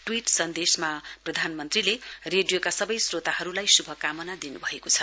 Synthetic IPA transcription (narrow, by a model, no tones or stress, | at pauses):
ʈwiʈsʌnd̪esmaprʌd̪ʱanmʌnt̪rilereɖijokasʌbʌjsrot̪ahʌɾulajsubʱʌkamʌnad̪inubʱʌekot͡sʰʌ